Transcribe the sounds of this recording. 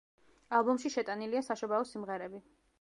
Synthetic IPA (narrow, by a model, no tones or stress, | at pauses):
alˠbɔmʃiʃɛt̪ʼaniliasaʃɔbaɔsimʁɛɾɛbi